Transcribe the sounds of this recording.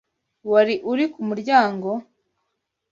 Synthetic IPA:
waɾiʔuɾikumuɾɟaːŋɡo̞

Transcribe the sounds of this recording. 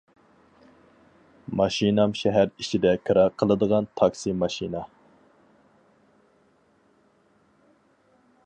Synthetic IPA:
mɑʃinɑmʃɛɦæɾit͡ʃʰid̪ɛkʰɨɾɑɾqʰəlˠɨd̪əʁɑnt̪ʰɑksimɑʃinɑ

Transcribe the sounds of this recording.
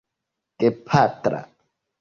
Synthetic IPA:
kepʰat̪ɾa̰

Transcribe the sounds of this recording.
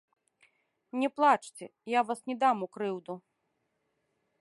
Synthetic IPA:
nʲɛplˠat͡ʂt͡sʲɛjavasnʲɛd̪amukɾɨwd̪u

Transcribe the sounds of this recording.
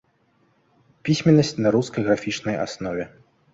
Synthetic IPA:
pʲisʲmʲɛnːɐsʲt͡sʲnɐɾuskɐjɣɾafʲit͡ʂnɐja̰snɔvʲɛ

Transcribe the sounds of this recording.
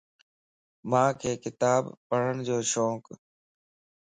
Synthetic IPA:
mãːkʰeːkɪt̪aːbpːəɽ̤ənɪd͡ʑoːʃoːk

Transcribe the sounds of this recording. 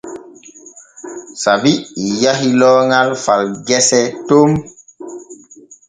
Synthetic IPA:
sabiijaɦilɔːŋalfalɡɛsɛtom

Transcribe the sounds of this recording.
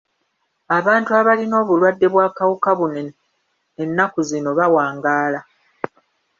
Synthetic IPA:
aβaːntuaβalino̞ːβulwadːe̞βwaːkawukaβun | enːakuzino̞βawaːŋɡaːla

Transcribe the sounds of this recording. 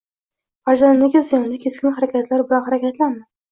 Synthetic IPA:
vaɾzanlɪɡʲazɪjɒnlɪkʲʰeskʲɪnɪχaɾakʲat̪ʰlaɾbɪlanχaɾakʲat̪lanmɪ

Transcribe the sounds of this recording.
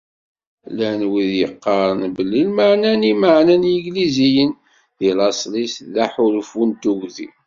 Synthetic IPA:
lænwiðjəqːɑɾˤənbəlːilmaʕnænimaʕnænjəɡlizijən | ðilɑsˤlisðaħʊlfunt̪uɣðḭ

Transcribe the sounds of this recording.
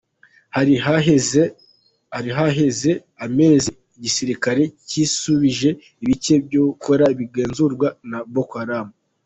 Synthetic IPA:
haɾiaee | haɾiɦaɦe̞ze̞ | ame̞ːzi | iɟisiɾikaɾe̞cisuβiʒe̞ | iβit͡ʃe̞bjokʰo̞ɾaiβiɡeːnzuɾɡwanabokhaɾamu

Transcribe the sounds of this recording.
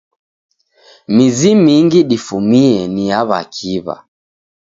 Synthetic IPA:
mizimiŋɡiɗifumiɛniaβa̰kʰiβa̰

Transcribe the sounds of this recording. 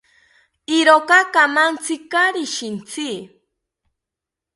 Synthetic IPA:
iɾokakamant͡sikaɾiʃint͡sʰi

